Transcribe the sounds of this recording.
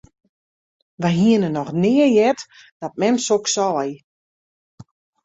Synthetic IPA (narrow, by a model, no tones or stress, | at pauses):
ʋɛjɦiənənɔxnɪəjɛt | d̥ɔt̚mɛmsoksɔːj